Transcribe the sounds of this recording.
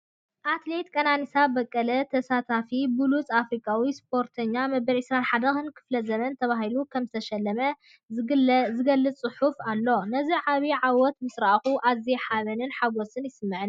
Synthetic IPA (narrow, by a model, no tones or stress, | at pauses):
ʔat̪le̞t̪kʼɐnanisabɐkʼːɐlɐt̪ʰɐsat̪ʰafibulut͡sʼafɾikʼawispʰo̞ɾt̪ʰɐɲːamɐbɐlʕisɾanħad̪ɐxɨnkʰɨ̥flɐzɐmɐnt̪ʰɐβaɦilukʰɐmzɨt̪ʰɐʃɐlːɐmɐ | zɨɡɐlːɨt͡sʼɨħufalːo̞nɐziʕaβiʕawɔt̪mɨsɾaʔxuʔazeħaβɐnɨnħaɡosɨnjɪsɨmːɨʕɨn